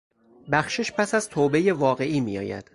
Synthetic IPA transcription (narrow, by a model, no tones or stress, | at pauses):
bæxʃeʃpʰæsæzt̪ʰoːbe̞jevɒːɣe̞ʔiːmḭjɒ̰ːjæ̰d̪̥